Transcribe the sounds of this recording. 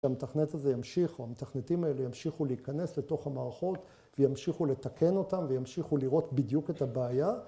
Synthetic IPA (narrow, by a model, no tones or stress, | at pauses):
ametaχnetazejamʃiχoamet̪aχnetimae̞lejamʃiχuleikane̞sle̞to̞χhamaːʁaχo̞t | vejamʃiχule̞takʰe̞no̞tamvejamʃiχuliʁo̞tbidjuke̞tabeaja